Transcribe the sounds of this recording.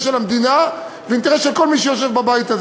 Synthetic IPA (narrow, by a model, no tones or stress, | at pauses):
ʃelamd̪ina | veint̪eʁesʃelko̞lmiʃejoʃ̬e̞vbabajit̪az